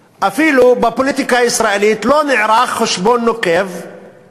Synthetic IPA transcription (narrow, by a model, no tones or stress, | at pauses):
ʔafiːlubɪpoliːt̪ikaɪsɾˤaʔɪliːt̪lonɪʕɾaːxːaʃboːnːokeːv